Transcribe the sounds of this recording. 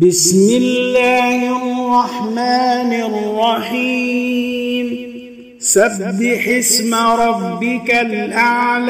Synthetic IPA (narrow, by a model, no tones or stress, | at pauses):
bɪsmɪlːaːhrˤːɑħmaːnɪrːɑħiː | m | sabːɪħɪsmaɾˤɑbːɪkalʔaʕl